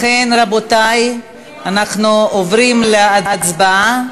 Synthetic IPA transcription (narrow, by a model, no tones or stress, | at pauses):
χenʁabotaj | anaχnuovɾimleaat͡sbaa